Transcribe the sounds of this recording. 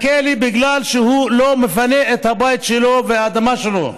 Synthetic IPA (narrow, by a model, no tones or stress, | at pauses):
kelibiɡlalʃehulomefaneet̪habajt̪ʃeloveaːd̪amaʃelo